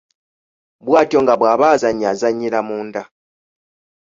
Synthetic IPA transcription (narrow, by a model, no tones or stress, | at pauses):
bwaːtijo̞ŋɡaβwaːβaːzaɲazaɲːiɾamuːnda